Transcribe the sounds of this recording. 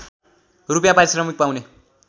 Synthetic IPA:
rupjãpaɾisrʌmik̚pawne

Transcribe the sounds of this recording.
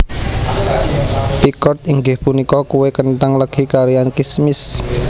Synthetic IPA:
pikɔrt̪iŋɡɪhpunikɔkuwekənt̪aŋləkikaɾijankismɪs

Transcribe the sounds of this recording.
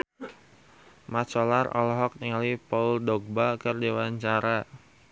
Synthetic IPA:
mat͡ʃɔlarɔ̰lɔɦɔk̚niŋalipauldɔɡ̚bakərdewaɲt͡ʃaɾa

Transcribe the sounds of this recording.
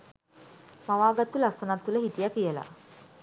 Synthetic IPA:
maʋaːɡat̪ːulasɐnat̪ːuləɦiʈijakijəla̰

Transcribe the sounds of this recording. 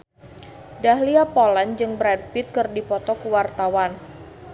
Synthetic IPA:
daɦliapoland͡ʒɨŋbɾɛd̚pɪt̪̚kɨrdipɔt̪ɔkuwart̪awan

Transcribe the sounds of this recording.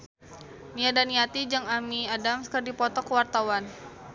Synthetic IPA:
niadaniat̪id͡ʒaŋamiadamskərdipɔt̪ɔkəwart̪awan

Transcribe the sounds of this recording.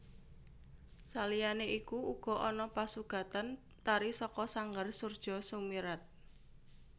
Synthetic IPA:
salijaneʔikuuɡ̥ɔ̤ʔɔnɔpasuɡ̥a̤t̪an | t̪aɾisɔkɔsaŋɡarsurd̥ʒ̥ɔ̤sumiɾat̪̚

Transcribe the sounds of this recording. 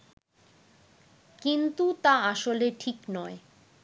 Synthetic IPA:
kint̪ut̪aaʃoleʈʰiknɔe

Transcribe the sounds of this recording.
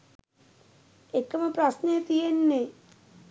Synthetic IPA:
ekɐmɐpɾɐsnet̪ijenːe

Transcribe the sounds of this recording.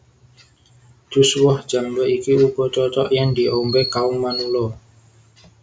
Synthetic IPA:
d̥ṳswɔhʒ̥a̤md͡ʒɔʔikiub̥ɔt͡ʃɔt͡ʃɔʔjaŋd̪i̤ʔombekauŋmanulɔ

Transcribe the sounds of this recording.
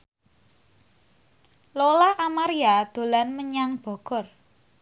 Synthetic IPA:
lolaʔːmaɾiad̪̥o̤lanməɲaŋb̥ɔ̤ɡ̥ɔ̤r

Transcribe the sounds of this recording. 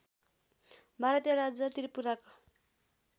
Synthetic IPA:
bʱaɾʌt̪jʌɾad͡zʌt̪iɾipuɾako

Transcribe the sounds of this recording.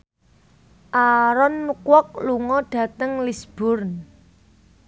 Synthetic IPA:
ʔaɾɔnːukwɔk̚luŋɔɖ̥ä̤t̪əŋlisb̥ʊrn

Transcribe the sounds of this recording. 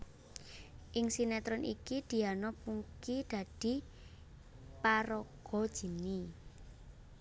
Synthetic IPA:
ʔɪŋsinɛt̪ɾɔnʔḭkid̪̥i̤anɔpuŋkid̪̥ä̤d̥i̤ | paɾɔɡ̥ɔ̤d̥ʒ̥i̤ni

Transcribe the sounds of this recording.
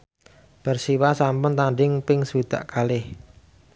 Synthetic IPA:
b̥ərsiwasampʊnt̪aɳɖɪŋpɪŋswid̪̥a̰ʔkalɪh

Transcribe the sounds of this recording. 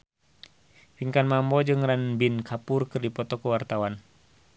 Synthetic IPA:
fiŋkanmambɔd͡ʒɨŋranbinkʰapurkɨrdipɔt̪ɔkəwart̪awan

